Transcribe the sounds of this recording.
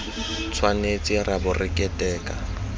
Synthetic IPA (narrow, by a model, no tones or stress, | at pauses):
t͡sʰwanet͡sʼɪrabʊrɪkʼɛtʼɛːkʼa